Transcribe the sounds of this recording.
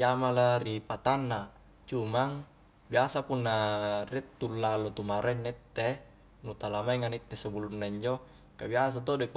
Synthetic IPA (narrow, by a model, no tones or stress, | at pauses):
jamalaɾipat̪anːa | t͡ʃumaŋ | biasapunːarit̪ːulːalot̪umaɾʔenːet̪ːe | nut̪alamaiŋanit̪ːesubulunːaiɲd͡ʒo | kabias̬at̪odep